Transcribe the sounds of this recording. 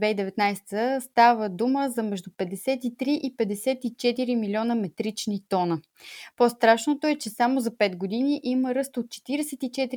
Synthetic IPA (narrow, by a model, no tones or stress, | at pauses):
vɛid̪ɛvɛt̪najsɛ̥t̪əst̪avəd̪uməzɐmɛʒd̪upɛd̪ɛsɛt̪it̪ɾiʔipɛd̪ɛsɛt̪it͡ʃɛt̪iɾimilʲɔnəmɛt̪ɾit͡ʃnit̪ɔnə | post̪ɾaʃnot̪oɛt͡ʃɛsamozɐpɛt̪ɡod̪iniʔiməɾɤst̪ot̪̚t͡ʃɛ̥t̪iɾɛsɛt̪it͡ʃɛt̪